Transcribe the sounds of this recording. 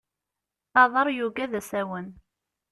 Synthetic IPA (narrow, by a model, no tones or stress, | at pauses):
θɑðˤɑɾˤjuɡæðæsæwən